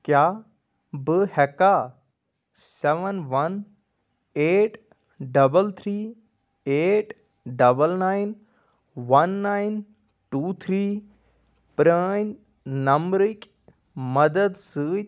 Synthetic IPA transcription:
kjaː | bɨhɛka | seʋənʋɐn | eːʈ | ɖɐbəlt̪ʰɾiː | eːʈ | ɖɐbəlnaːjn | ʋɐnːajn | ʈuːt̪ʰɾiː | pɾən | nɐmɾik | mɐd̪əd̪sɨ

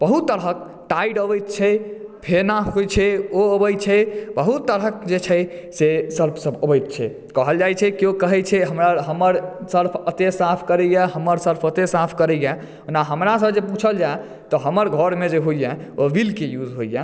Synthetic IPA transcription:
b̥əɦut̪ːəɾɦək̚ | ʈaiɖəbəjt̪̚t͡ʃʰɛpʰenaɦojt͡ʃʰɛoəbəjt͡ʃʰɛbəɦut̪ːəɾɦək̚d͡ʒet͡ʃʰɛ | sesəɾpʰsəbəbəjt̪̚t͡ʃʰɛ | kəɦəld͡ʒajt͡ʃʰɛkiokəɦɛt͡ʃʰɛɦəmɾaɦəməɾsəɾpʰət̪esapʰkəɾəjaɦəməɾsəɾpʰət̪esapʰkəɾəja | naɦəmɾasəbd͡ʒeput͡ʃʰəld͡ʒa | t̪ɔɦəməɾɡʱəɾmed͡ʒeɦoijaoʋilkejud͡ʒɦoija

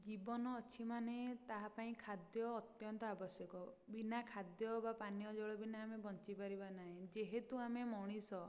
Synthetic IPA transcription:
d͡ʒibɔnɔːt͡ʃʰimanet̪aɦapaĩkʰad̪jɔːt̪jɔnt̪ɔabɔsjɔkɔ | binakʰad̪jɔbapanijɔd͡ʒɔɭɔbinaːmebɔnt͡ʃipaɾibanaɦẽd͡ʒeɦet̪uamemɔɽ̃isɔ

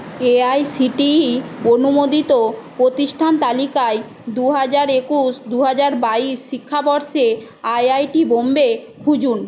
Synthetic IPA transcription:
eajsiʈionumod̪it̪opɾot̪iʃʈʰant̪alikae | d̪uɦad͡ʑaɾekuʃd̪uɦad͡ʑaɾbaiʃːikʰːabɔɾʃe | ajajʈibombekʰud͡ʑun

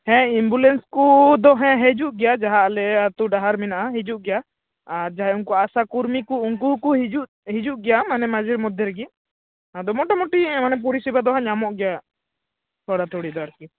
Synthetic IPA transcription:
hɛ̃imbulɛnskud̪ɔɦɛ̃ɦɛd͡ʒuʔɡɛjad͡ʒaɦaʔlɛat̪uɖaɦaɾminaʔaɦɛd͡ʒuʔɡɛja | aɾd͡ʒaɦaunkuasakuɾmikuuŋkukuɦid͡ʒuʔ | ɦid͡ʒuʔɡɛjamanɛmad͡ʒiɾmɔd̪ʱjɛɾɛɡi | ad̪ɔmɔʈamɔʈimanɛp̬uɾisibad̪ɔɦãɲamɔʔɡɛja | t̪ɔɽat̪ɔɽid̪ɔaɾki

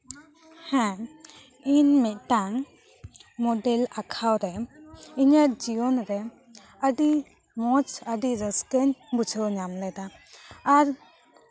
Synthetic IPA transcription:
hɛ̃ | inmit̪̚ˀtaŋ | mɔdɛlakʰawɾɛiɲəɾd͡ʒiɔnɾɛ | əɖi | mɔt͡ʃəɖiɾəskəɲbut͡ʃʰəwɲamlɛd̪aː | ɾ

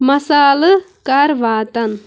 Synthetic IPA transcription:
mɐsaːlɨ | kaɾʋaːt̪ɐn

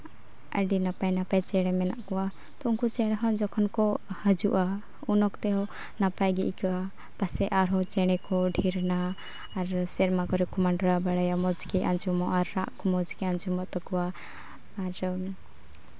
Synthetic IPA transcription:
ə̰ɖinapajnapajt͡ʃɛɽɛmɛna̰ʔkɔwa | t̪ɔuŋkut͡ʃɛɽɛɦɔ̃d͡ʒɔkʰɔnkɔhəd͡ʒṵʔa | unɔkt̪ɛɦɔ | napajɡḭʔkaa | pasɛʔaɾɦɔt͡ʃɛɽ̃ɛkɔɖʱiɾnaː | ɾsɛɾmakɔɾɛkumaɳɖɔɾabaɽajamɔd͡ʒkɛʔand͡ʒumɔʔaɾːaʔkɔmɔd͡ʒkiand͡ʒumɔʔt̪ɔkɔwaː | ɾ

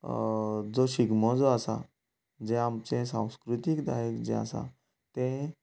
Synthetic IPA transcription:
d͡zoɕiɡmɔd͡zoasa̰ | d͡zɛ̃amt͡sẽsãw̃skɾut̪ikd̪a̰ɦekd͡zɛ̰̃a̰sa̰ | t̪ẽ

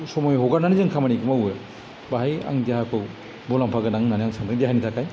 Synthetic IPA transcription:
sɔmɔjɦoɡananizaŋkʰamanikɯmawe | baɦaja̰ŋdjaɦakʰɔw | bɔlampʰaɡɯnaŋnaniaŋsʰaŋtɯdijaɦanitʰakaj

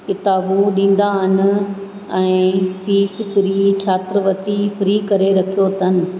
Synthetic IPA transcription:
kɪt̪aːbuɗĩːn̆d̪aɦɪnɪ̆ | ɛ̃ːfiːsfɾiːt͡ɕʰaːt̪ɪɾəʋɐt̪ifɪɾiːkɐɾeɾɐkʰijot̪ʰɐnɪ̆

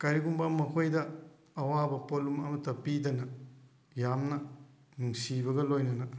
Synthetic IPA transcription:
kɐɾiɡumbɐmɐkʰojdɐ | ɐwabɐpolumɐmɐtɐpidɐnɐ | jamnɐ | nuŋsibɐɡɐlojnɐnɐ

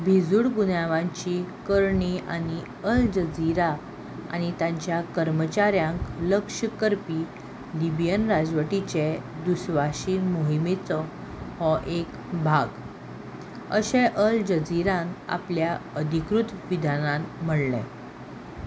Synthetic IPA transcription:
bʱid͡zuɽɡunaʋãɲt͡ɕikəɾɳiʔa̰ni | əld͡ʑəd͡ziɾa | a̰ñit̪ãɲt͡ɕjakəɾmət͡ɕaɾjãŋkləkʂəkəɾpiː | libjənɾad͡zʋəʈit͡ɕed̪usʋaɕiːnmoɦimet͡sɔ | hɔʔek | bʱaɡ | əɕɛ̃ʔəld͡ʑəd͡ziɾãna̰pljaəd̪ʱikɾut̪ʋid̪ʱanãnməɽlɛ̰̃

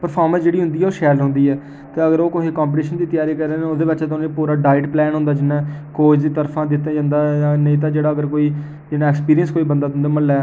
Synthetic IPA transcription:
pəɾpʰaːɾmə̃nsd͡ʒeːɽiːɦʊ̃nd̪iːɛoːʃɛːɾlɦnd̪iːɛː | t̪eːəɡəɾoːkoɦiːkãːmpʈiːʃənd̪iːt̪ɪjaːɾiːkəɾeːnːod̪eːʋɪt͡ʃɛːt̪ʊñːpuːɾaːɖaːɪɖplɛːnɦʊ̃nd̪aːd͡ʒɪnãːkoːd͡ʒd̪iːt̪əɾpʰãːd̪ɪt̪ːẽːd͡ʒãːnd̪aːnəĩːt̪̬ãːd͡ʒeːɽaːəɡəɾkoːiː | d͡ʒɪnãːɛkspiːɾijənskoːiːbənd̪aːd̪ɪnd̪eːməlːɛː

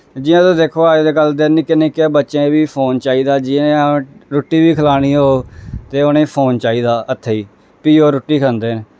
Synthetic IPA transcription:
d͡ʒɪãːt̪õːd̪eːkʰoːəːd͡ʒd̪eːkəld̪enːiːkɪnẽːkeːbətːʃẽːʋiːpʰoːnt͡ʃaːiːd̪aːd͡ʒiẽɾoʈːiːʋiːkʰəlaːɽ̃iːɦoːt̪eːonẽːpʰoːnt͡ʃaːiːd̪aːʔət̪ʰːeːiː | piːɦoːɾʊʈːiːkʰənd̪eːneː

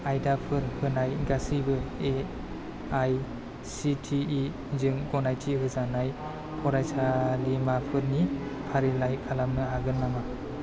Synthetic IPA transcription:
ajdapʰɯɾhɯnajɡasibɯe | aj | sitʰiː | zɯŋɡɔnajtʰiɦɯzanaj | kʰɔɾajsalimapʰɯɾnipʰaɾilajkʰalamnɯaɡɯnːama

